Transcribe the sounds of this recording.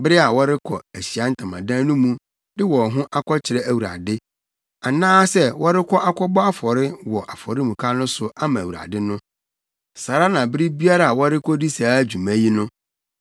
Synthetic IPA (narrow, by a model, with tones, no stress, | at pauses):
bɪ˦ɾɪ˦a˨wɔ˦ɾɪ˦kʰɔ̰˨æ˨ɕi˨a˦n̩˦tʰã˨mã̰˨dãː˦nũ˦mũ˦ | dɪ˦wɔ˨ɦʊ̃˦ʔa˦kʷʰɔ˦t͡ɕʰɪ˨ɾɛ˦æ˨wu˨ɾa̰˨dɪ˦ | a˨nãː˦sɛ˦wɔ˦ɾɪ˦kʷʰɔ˦ʔa˦kʷʰɔ˦bɔ˦a˦fɔ˨ɾɪ˦wɔ˨ʔa˨fɔ˨ɾɪ˦mũ˨kʰa˦nʊ̃˦sʊ˦ʔa˦mã˨wu˨ɾa̰˨dɪ˦nʊ̃˦ | sa˨ɾa˦nã˨bɪ˦ɾɪ˦bi˦a˦ɾa˨a˨wɔ˦ɾɪ˦kʰɔ˦di˦saː˨˦d͡ʑᶣu˨mã˦ji˦nʊ̃˦